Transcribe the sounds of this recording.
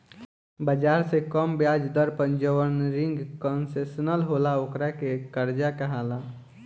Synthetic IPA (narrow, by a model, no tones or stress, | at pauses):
bəd͡ʒaːɾsekəmbjad͡ʒd̪əɾpə̃nd͡ʒəwənɾɪ̃ŋɡkənsesnəlɦolaokɾakekəɾd͡ʒakəɦala